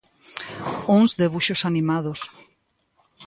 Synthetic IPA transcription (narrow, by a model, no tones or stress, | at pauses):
uŋzðeβuʃosanĩmað̞os